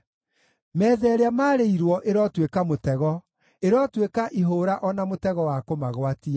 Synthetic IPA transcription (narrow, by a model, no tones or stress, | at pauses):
mɛːðɛɾeamaɾeiɾwɔʔeɾɔtwekamotɛɣɔ | eɾɔtwekaʔiɦoɾaʔɔnamotɛɣɔwakomaɣwatia